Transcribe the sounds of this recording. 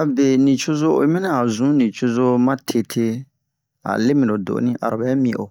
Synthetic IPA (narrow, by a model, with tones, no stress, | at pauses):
a˨be˨nĩ˨t͡ʃo˦zo˦o̰˨i˦mɛ̃˦nã˦a˨zũ˨˦nĩ˨t͡ʃo˦zo˦mã˦tʰe˦tʰe˦ | a̰˨le˦mĩ˨lo˨do̰˨ʔnĩ˦ʔa̰˨ɾo˨bɛ˨˦mĩ˨ʔo̰˨